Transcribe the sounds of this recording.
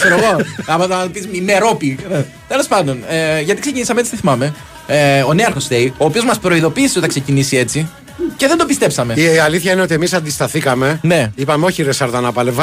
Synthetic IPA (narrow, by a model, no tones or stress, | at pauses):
seɾoɣo̞ɐmɐɐmɐt̪opizmimeɾo̞pi | t̪e̞lo̞spɐnd̪o̞neʝɐt̪ikse̞cinisɐmee̞t͡sit̪iθimɐme̞ | eo̞neɐɾxo̞st̪eio̞ːpio̞zmɐspɾo̞iðo̞piːsiot̪ɐksecinisie̞t͡si | ce̞ðed̪o̞pist̪e̞psɐme̞iɐliθçɐineo̞t̪ie̞misɐnd̪ist̪ɐθikɐme̞ne̞ipɐmeoçiɾesɐɾðɐnɐpɐlevɐ